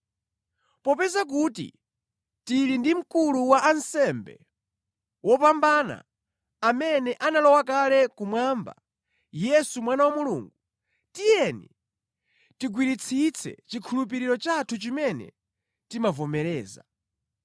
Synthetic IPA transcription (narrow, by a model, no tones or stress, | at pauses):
pɔpɛzak̬utḭ | tiɾindim̩kuluwaʔansɛmbɛ̰ | wɔpambana̰ː | mɛnɛʔanalɔwakalɛkumwamba̰ | jɛsumwanawamulṵːŋɡu | tijɛnḭ | tiɡwiɾit͡sʰit͡sʰɛ̰t͡ʃikʰulupiɾiɾɔt͡ʃatʰut͡ʃimɛnɛ̰ | timavɔmɛɾɛːza